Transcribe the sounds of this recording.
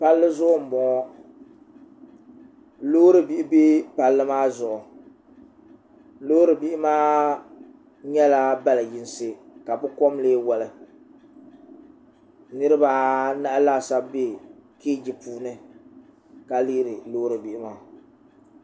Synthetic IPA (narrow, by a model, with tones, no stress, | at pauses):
pa˦lːɨ˦zʊ˦ʔʊ˦m̩˨bɔ˨ŋɔ˦ | loː˦ɾɨ˦bi˦˨ʔɪ˦be˦pa˨lːɨ˦maː˦zʊ˨ʔʊ˨ | lo˦ɾɨ˨bi˦ʔɪ˦maː˦ | ɲɛ˦la˦ba˦la˨ji˦n˦sɨ˦ka˨bʊ˦kɔ˦mleː˦wa˨lɨ˨ | nɨ˦ɾɨ˦ba˦na˦ʔa˦la˦˨sa˦be˦keː˦d͡ʒi˨puː˦nɨ˦ | ka˨li˦ʔɾɨ˨loː˦ɾɨ˨bi˨ʔɪ˦maː˦˨